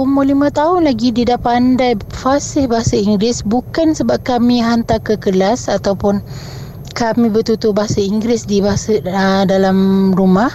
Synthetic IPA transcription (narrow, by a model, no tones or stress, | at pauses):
umulimãt̪aɦʊnlaɡididapandajfasɪhbaɦasaiŋɡɾɪsbukansəbap̚kamĩɦant̪akəkəlasat̪awpʊn | kamĩbərt̪ut̪ʊhbaɦasaiŋɡɾɪsdibaɦasaədalamrumah